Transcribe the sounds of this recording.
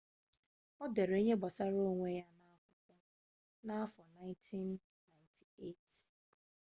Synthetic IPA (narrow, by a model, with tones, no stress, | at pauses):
ɔ˦de˨ɾe˨˦ɲe˦bɔ˨sa˦ɾo˦ŋʷe˦ja˦na˦a˦kʷʊ˦kʷʊ˦ | na˦a˦fɔ˨na˦ɪ̃˦ntʰi˦nː | a˨ɪntʰi̥˨e˦t